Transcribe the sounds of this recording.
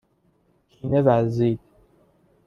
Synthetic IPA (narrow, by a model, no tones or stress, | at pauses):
kʰiːnevæziːd̪